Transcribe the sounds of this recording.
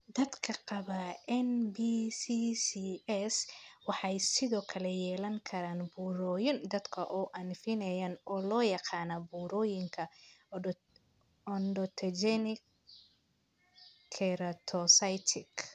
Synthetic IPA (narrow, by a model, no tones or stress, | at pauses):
d̪ɐd̪kʰɐqɑβɐʔɛnbisisiɛswɑħɑjsɪðɔːkʰɐlɛjɛːlɐŋkʰɐɾaːnbuːɾɔːjɪnd̪ɐd̪kʰɐʔɔːʔɐnfɪnɛjaːnɔːlɔːjɑqɑːnɐbuːɾɔːjɪŋkʰɐ | ɔnɖɔt̪ʰɐd͡ʒɛnɪk | kʰːɛɾɐt̪ʰɔsɐjt̪ʰɪk